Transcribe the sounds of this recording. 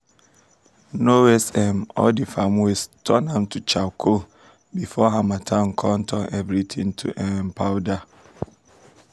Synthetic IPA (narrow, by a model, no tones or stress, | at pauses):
nowɛsɛmɔ̰ldifamestʰɔnãmtʰut͡ʃʰakʰo | bifɔɦãmatʰãŋ̩kʰɔ̃ntʰɔnʔɛvɾitʰĩŋtʰṵʔɛmpʰawda